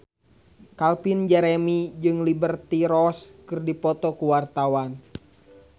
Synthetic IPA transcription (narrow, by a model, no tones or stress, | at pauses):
kalpind͡ʒɛɾɛmid͡ʒɨŋlibərt̪iɾɔskɨrdipɔt̪ɔkuwart̪awan